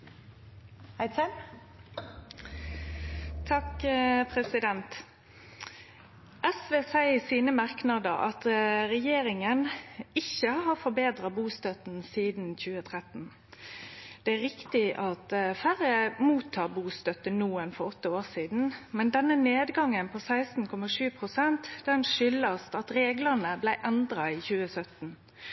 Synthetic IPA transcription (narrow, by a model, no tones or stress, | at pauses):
æɪsɛ | t̪ʰɑkpʰɾɛsɪd̪ɛnt̪ | ʔɛsʋeːsæɪəsiːnəmɑʁknɑd̪əɾɑ̰t̪ɾɛjeːɾɪŋənɪçəhɑhɑfɔbeːd̪ɾɑbuːst̪œt̪n̩siːd̪nçʉːət̪ʰʁɛt̪n̩ | d̪̥ɛæɾɪkt̪ɪʔɑt̪fæɾəmuːt̪ʰːɑːbuːst̪œt̪ːənuːənfɔɾɔt̪ːəoːʁsiːd̪n̩mɛnd̪ɛnːəneːd̪ɡɑŋːənpʰɔsæɪst̪n̩kʰɔmɑʂʉːpʰɾʊsɛnt̪d̪̥ɛnʂʏlɑst̪ɑt̪ɾeːɡlənəblæɪʔɛnd̪ɾɑiçʉːəsœt̪n̩